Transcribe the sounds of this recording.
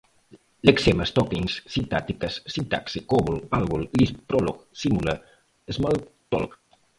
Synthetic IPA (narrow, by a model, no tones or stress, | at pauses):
lekseməst̪ɔkiŋssint̪at̪ikəsːint̪a̰ksikoβulalɣullispɾɔloksimulə̰ | ezmalt̪ɔ̰lk